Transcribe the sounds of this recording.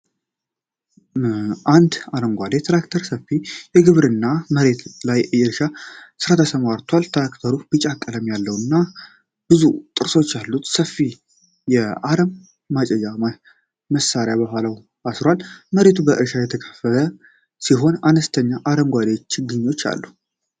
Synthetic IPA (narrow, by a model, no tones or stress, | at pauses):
ʔand̪aləmɡʷad̪e̞t̪ʰɾakt̪ʰəɾsəfːijɛɡɨβɾɨnːaməɾe̞t̪lajɨjɨɾʃasɨɾat̪ʰəsəmaɾt̪ʰwalt̪ʰɾakt̪ʰəɾub̥ɨt͡ʃʼakʼːələmjalːəwɨnːa | b̥ɨzut̪ʼɨɾso̞t͡ʃːalːut̪səfːi | jɛaɾəmː | at͡ʃʼɛjama | məsaɾjabəhʷalaw | asɾwalməɾe̞t̪ʰubəʔɨɾʃajɛt̪ʰəkʰə̥fəlʰə | siɦo̞nanəst̪ʰəɲːaʔaɾəmɡʷad̪ewo̞t͡ʃːɡɨɲːo̞t͡ʃːa̰lːu